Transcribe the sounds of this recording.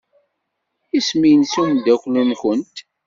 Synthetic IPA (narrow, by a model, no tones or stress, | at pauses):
ismijənsund̪æklunçənt̪